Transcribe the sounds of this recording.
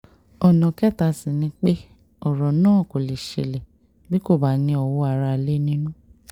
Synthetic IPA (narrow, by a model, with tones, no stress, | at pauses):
ɔ˨nã˨kɛ˦˨ta˧sĩ˨nĩ˧˦k͡pe˦ | ɔ˨ɾɔ˨nãː˦˨ko˨le˨ʃḛ˨le˨ | bi˦ko˦˨ba˨nĩ˧ɔ˨wo˧˦a˨ɾa˧˨le˦nĩ˦nũ˦